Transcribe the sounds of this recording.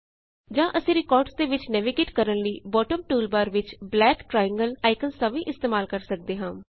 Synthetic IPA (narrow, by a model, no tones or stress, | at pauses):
d͡ʒãːʔəsĩːɾɪkɔːɾɖsd̪eːʋɪt͡ʃnɛːʋɪɡeːʈkəɾənliːbɔːʈəmʈuːlbaːɾʋɪt͡ʃblɛːkʈɾaːjə̃ŋɡəlaːɪkənst̪ãːʋĩːʔɪst̪eːmaːlkəɾsək̚d̪eːɦãː